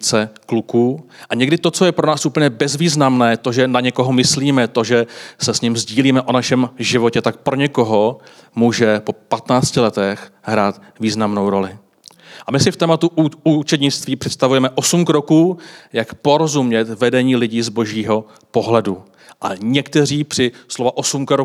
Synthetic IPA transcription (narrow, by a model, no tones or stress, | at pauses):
t͡sɛklukuːʔaɲɛɡdɪt̪o̞t͡so̞jɛpɾo̞naːsʔuːpl̩ɲɛbɛzviːznamnɛːt̪oʒɛnaɲɛkoɦo̞mɪsliːmɛt̪o̞ʒɛsɛsɲɪmzɟiːliːmɛʔo̞naʃɛmʒɪvo̞cɛt̪ak̚pɾo̞ɲɛko̞ɦo̞muːʒɛpo̞pat̪naːt͡scɪlɛt̪ɛxɦɾaːt̪ | viːznamno̞wɾo̞lɪ | ʔamɪsɪft̪ɛːmat̪uuːt͡ʃɛd̪ɲɪt͡st̪viːpr̥ɛt̪st̪avujɛmɛʔo̞sumkɾo̞kuːjakpo̞ɾo̞zumɲɛt̪vɛdɛɲiːlɪɟiːzbo̞ʒiːɦo̞ | po̞ɦlɛdu | ʔaɲɛkt̪ɛriːpr̥ɪslo̞vaʔosumkɾo